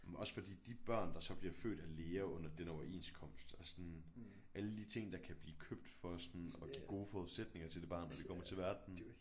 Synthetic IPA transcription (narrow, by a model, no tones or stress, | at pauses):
ʔɒ̽sfɒ̽d̥ḭːd̥ib̥ɶɐ̰nd̥ɑ̈sɒ̽b̥liɐfø̰ːd̥æle̝ːɐɔ̽n̰ɐd̥enɒʊɐʔe̝̰ːnskʰɒ̽m̰sd̥ælsɒn | ʔæləd̥it͡sʰe̝ŋ̰d̥ɑ̈kʰæb̥liːkʰøb̥d̥fɒ̽sɒnɒ̽ɡ̥ḭːɡ̥o̝ːəfɒːuðˠsed̥ne̝ŋɐt͡sʰe̝ld̥e̝b̥ɑ̈ːnɒd̥ekʰɒ̽m̰ɐt͡sʰe̝lʋæɐd̥n̩